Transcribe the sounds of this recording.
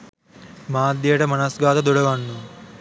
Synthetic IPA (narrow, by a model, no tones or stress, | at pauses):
maːd̪jeːʈɐmɐnasɡaːt̪ɐd̪uɽɐʋaɳːu